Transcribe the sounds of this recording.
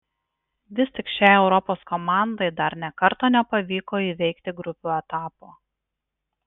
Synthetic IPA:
ʋʲɪsʲt̪ʲɪkʃʲɛɪɛʊɾɔpoːskɔmɑˑnd̪ɐɪd̪ɐɾnʲɛkɐɾt̪oːnʲɛpɐʋʲiːkoːiːʋʲɛɪkt̪ʲɪɡɾʊpʲuːɛt̪ɑːpoː

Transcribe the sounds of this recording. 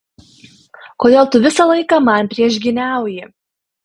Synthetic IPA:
koːd̪ʲeːlˠt̪ʊʋʲɪsɑlˠɐɪkɑmɐnʲpʲɾʲiɛʒʲɡʲɪnʲæˑʊjɪ

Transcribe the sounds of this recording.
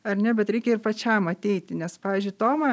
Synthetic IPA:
ɐrnʲɛbʲɛt̪ɾʲɛɪkʲɛɪrpɐt͡ʃʲɛmɐt̪ʲɛɪt̪ʲɪnʲɛspɑːʋʲiːzʲd͡ʒʲʊɪt̪oːmɐ

